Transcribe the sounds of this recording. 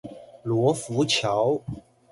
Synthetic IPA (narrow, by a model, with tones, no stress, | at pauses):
lwɔ˨˧˥fu˨˥t͡ɕʰjɑ˨˥ʊ